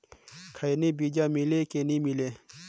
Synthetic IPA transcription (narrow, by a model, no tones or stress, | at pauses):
kʰajnibid͡ʒaːmilekenĩmileː